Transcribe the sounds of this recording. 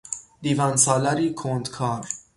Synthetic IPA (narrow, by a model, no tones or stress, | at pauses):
d̪iːvænsɒːlæɾiːkʰond̪kʰɒːɾ